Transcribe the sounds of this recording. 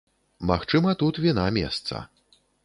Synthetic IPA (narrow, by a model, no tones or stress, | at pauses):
maxt͡ʂɨmɐt̪ut̪vʲinamʲḛst̪sɐ̰